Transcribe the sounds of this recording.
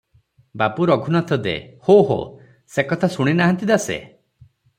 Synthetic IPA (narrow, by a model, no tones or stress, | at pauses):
babuɾɔɡʱunɔt̪ʰɔd̪ḛhoɦo̰ | sekɔt̪ʰasuɽ̃inaɦant̪id̪asḛ